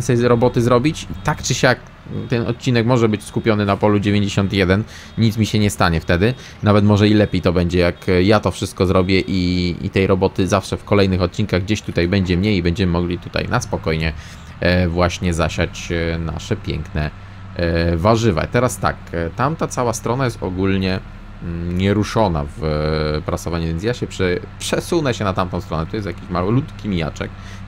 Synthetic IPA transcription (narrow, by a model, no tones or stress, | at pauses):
nsɛjɾɔbɔt̪ɘzɾɔbʲit͡ɕt̪akt͡ʂɘɕak | t̪ɛnɔ̰t̪̚t͡ɕːinɛkmɔʐɛbɘt͡ɕskupʲjɔnɘnapɔlud͡ʑevʲjeɲd͡ʑeɕɔnt̪jɛd̪ɛn | ɲit̪smʲiɕɛɲɛst̪aɲɛft̪ɛd̪ɘ | navɛt̪mɔʐɛilɛpʲjejt̪ɔbɛɲd͡ʑɛjakjat̪ɔfʂɘst̪̚kɔzɾɔbʲjɛʔiḭt̪ɛjɾɔbɔt̪ɘzafʂɛfkɔlɛjnɘxɔt̪̚t͡ɕinkaɣɡd͡ʑeɕt̪ut̪ajbɛɲd͡ʑɛmɲejibɛɲd͡ʑɛmɘmɔɡlʲit̪ut̪a̰jna̰spɔkɔjɲɛ | vwaɕɲɛzaɕat͡ɕna̰ʂɛpʲjɛ̰ŋknɛ | vaʐɘva̰t̪ɛɾast̪a̰kt̪amt̪at̪sawast̪ɾɔnajɛst̪ɔɡulɲɛ | ɲɛɾuʂɔna̰vpɾasɔvaɲuvʲjensjaɕɛpʂɛpʂɛsunɛɕɛnat̪amt̪ɔ̃w̃st̪ɾɔnɛt̪ɔjɛst̪jakʲiɕmalɔlut̪kʲimʲija̰t͡ʂɛ̰k̚